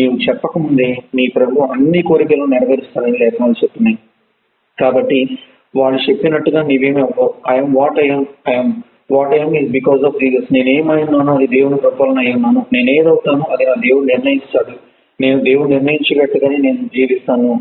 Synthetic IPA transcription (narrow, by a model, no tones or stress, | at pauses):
niːwut͡ʃɛpːɐkɐmund̪eːniːpɾɐbʱuʋɐmɐnːikoːɾikɐloːniɾɐʋɐɾist̪aːɾɐnilɛːk̪ɐʋaːlːut͡ʃepːinaːj | kaːbɐʈːi | ʋaːɭːut͡ʃe̞pːinɐʈːuɡaːniːʋe̞ːmɛʋɐɐjɐmʋaːʈɐjɐmɐjɐm | ʋaːʈɐjɐmizbikɔːzɔːfd͡ʒiːsɐsne̞ːne̞ːmɐjunːaːnuɐd̪id̪e̞ːwunupɾɐpɔːlɐnɐjunːaːnune̞ːneːd̪ɐwut̪aːnuɐd̪inaːd̪e̞ːwuɽuniɾnɐjit͡ʃaːɽu | ne̞ːnud̪e̞ːwuɽuniɾnɐjiɲt͡ʃɐʋɛʈːuɡaːneːne̞ːnud͡ʒiːʋist̪aːnu